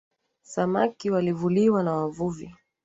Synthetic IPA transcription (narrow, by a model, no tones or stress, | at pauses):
samakiwalivuliwanawavuvi